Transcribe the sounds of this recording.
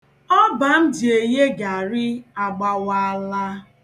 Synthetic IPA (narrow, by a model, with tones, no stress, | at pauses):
ɔ˦ba˨n̩˦dɪ˨e˨ɲe˦ɡa˨ɾɪ˦a˨ɡ͡ba˨wa˦la˦